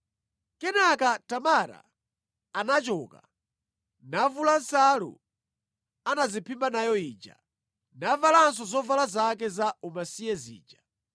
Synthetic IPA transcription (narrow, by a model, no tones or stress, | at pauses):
kɛnakatamaɾa̰ː | nat͡ʃɔːka | navulansalṵ | anazipʰimbanajɔiːd͡ʒa̰ | navalansɔzɔvalazak̬ɛzaumasijɛzḭːd͡ʒa